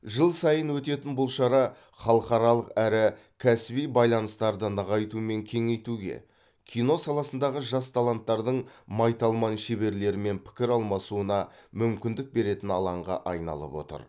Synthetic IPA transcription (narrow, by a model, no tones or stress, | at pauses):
ʒəlˠsɑjənwɵt̪e̞t̪ɪnbʊlˠʃɑɾɑ | χɑlˠəqɑɾɑlˠəqæɾɪ | kʲʰæsɪbijbɑjlˠɑnəst̪ɑɾd̪ənəʁɑjt̪ume̞ŋkʲʰe̞ŋe̞jt̪uɡʲe̞̰ | kʲʰijno̞sɑlˠɑsən̪d̪ɑʁəʒɑst̪ʰɑlˠant̪ːɑɾd̪əɴmɑjt̪ɑlˠmɑnʃeβe̞ɾle̞ɾɪme̞npʰɪ̥kʲɪɾɑlˠmɑsuənɑmʏmkʲɪnd̪ɪk̚be̞ɾe̞t̪ɪnɑlˠɑɴʁɑ̰ʔɑjnɑ̰lˠə̰pwo̞̰t̪ə̰ɾ